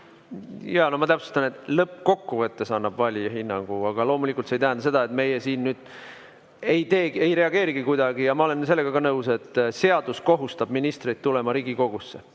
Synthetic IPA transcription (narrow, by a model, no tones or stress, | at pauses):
jɑːnomɑt̪æpsost̪ɑne̞t̪lɤpːko̞kːuvɤt̪ːe̞sɑnːɑbvɑlʲjɑɦinːɑŋɡ̥uɑɡ̥ɑlo̞mulikːˑult̪sejt̪æɦænd̪ɑse̞d̪̥ɑe̞t̪me̞jesiːnːyːd̪̥ | e̞jt̪e̞ːe̞jɾe̞ɑɡe̞ːɾiɡ̥ikujd̪̥ɑɡ̥ijɑmɑo̞le̞nse̞lːe̞ɡ̥ɑɡ̥ɑnɤwse̞t̪ːse̞ɑd̪̥usko̞ɦust̪ɑb̥minist̪rijd̪̥̚t̪ːulemɑɾiːɡiko̞ɡ̥usːe̞̰